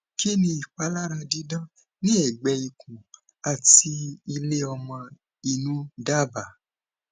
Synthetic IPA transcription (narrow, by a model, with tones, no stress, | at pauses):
ki˦nĩ˧i˨k͡pa˨˦la˦ɾa˧dĩ˨˦dã˦ | nĩ˦ɛ˨ɡ͡bɛ˧i˨kũ˨ | a˨ti˧i˧le˦ɔ˧mɔ̃˧ | i˧nũ˦da˦ba˨